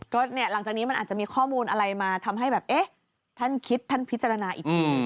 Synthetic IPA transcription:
kɔː˥˩ni˦˥˩ɐla˨˩˦ŋt͡ɕaː˨˩niː˦˥m˧nʔaː˨˩t͡ɕa˨ʔmiː˧kʰɔː˥˩muː˧nʔa˧ɾa˧jmaː˧t̪ʰa˧mɦa˥˩jbɛː˨˩p̚ʔeː˦˥˩ | t̪ʰa˥˩nkʰi˦˥t̪ʰːa˥˩npʰi˦˥t͡ɕa˧ɾa˧naː˧ʔiː˨˩k̚t̪ʰiː˧

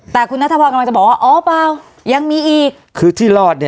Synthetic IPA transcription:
t̪ɛː˨˩kʰu˧nːa˦˥t̪ʰːɔː˧ka˧la˧ŋt͡ɕa˨˩bɔː˨˩waː˥˩ʔɔː˦˥˦paː˧w | ja˧ŋmiː˧ʔiː˨˩k̚kʰɯː˧t̪ʰiː˥˩lɔː˥˩t̪̚ni˥˩

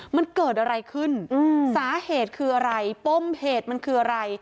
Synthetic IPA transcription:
ma˧nkɤː˨˩t̪̚ʔa˧ɾa˧jkʰɯ˥˩nɯ˧saː˩˦heː˨˩t̪̚kʰɯː˧ʔa˧ɾa˧jpo˥˩mheː˨˩t̪̚ma˧nkʰɯː˧ʔa˧ɾa˧j

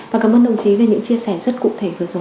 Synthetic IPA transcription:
vaː˨˩kaː˧˩mʔəː˧nɗə̰˧˨wŋ͡mt͡ɕi˨˦ve˨˩ɲɨ̰˧˥ŋt͡ɕi˧əsɛ˧˩zə˦˥t̚kṵ˧˨t̪ʰe˧˩vɨ˨˩əzo˨˦

